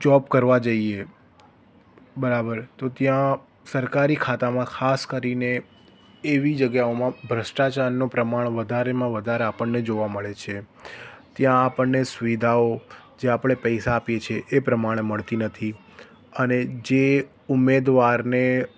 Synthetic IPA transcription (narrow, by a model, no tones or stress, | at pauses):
d͡ʒɔpkəɾʋad͡ʒəie | bəɾabəɾt̪ot̪jã | səɾkaɾikʰat̪amãkʰaskəɾineː | ʋid͡ʒəɡjaomãbʱɾəʃʈat͡ʃaɾnopɾəmaɳ̃ʋəd̪ʱaɾemãʋəd̪ʱaɾeapəɳned͡ʒoʋaməɭet͡ʃʰe | t̪jãːpəɳːesʊʋid̪ʱaod͡ʒeapɽ̃epəjsaːpijet͡ʃʰeʔːpɾəmaɽ̃eməɭt̪inət̪ʰi | əned͡ʒe | umːed̪ʋaɾne